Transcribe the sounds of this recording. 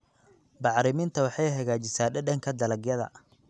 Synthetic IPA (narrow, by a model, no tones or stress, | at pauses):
bɑʕɾɪmɪnt̪ʰɐwɑħɑjɦɐɣaːt͡ʃɪsaːɖɛɖɐŋkʰɐd̪ɐlɐɡjɐðɐ̰